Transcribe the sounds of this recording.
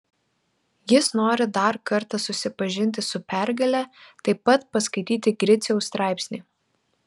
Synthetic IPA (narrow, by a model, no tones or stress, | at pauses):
jɪsnoːɾʲɪd̪ɐɾkɐɾt̪ɐsʊsʲɪpɐʒʲɪnʲt̪ʲɪsʊpʲæɾɡɐlʲɛt̪ɐɪpːɐt̪pɐskɐɪt̪ʲiːt̪ʲɪɡɾʲɪt̪sʲɛʊst̪ɾɑˑɪpʲsʲnʲiː